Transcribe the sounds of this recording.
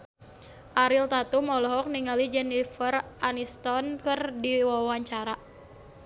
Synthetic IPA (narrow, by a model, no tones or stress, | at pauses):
ʔaɾilt̪at̪umɔlɔɦɔk̚niŋalid͡ʒɛnifəranist̪ɔnkɨrdiwawaɲt͡ʃaɾa